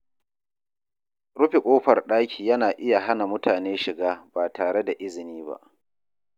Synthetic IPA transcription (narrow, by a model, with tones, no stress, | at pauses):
ɽʊ˦ɸi˨kʷʼoː˦ɸɐ˨rɗaː˦kʲʰiː˨jɐ˦naː˨ʔɪ˦ja˨ɦa˦na˨mʊ˦tʰaː˨neː˦ʃɪ˨ɡaː˦baː˨taː˨ɽe˦da˨ʔɪ˦zɪ˨niː˦ba̰˦ʔ